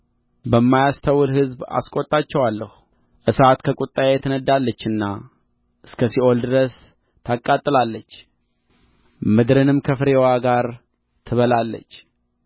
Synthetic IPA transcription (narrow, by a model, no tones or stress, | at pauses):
bəmːajast̪ʰəwɨlɦɨzba̰skʼot̪ʼːat͡ʃːɛwalːəhu | ʔɨsat̪kʰəkʼut̪ʼːajajɛt̪ʰənəd̪ːalːət͡ʃːɨnːa | ʔɨskʰəsiʔo̞ld̪ɨɾəs | t̪ʰakʼːat̪ʼːɨlalːət͡ʃː | mɨd̪ɾɨnɨmkʰəfɨɾewaɡaɾ | t̪ʰɨβəlalːə̰t͡ʃː